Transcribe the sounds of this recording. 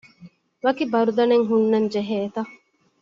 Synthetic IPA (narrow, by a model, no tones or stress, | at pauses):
ʋɐkibɐɾud̪ɐneŋɦunːɐɲd͡ʒeɦeːt̪ɐ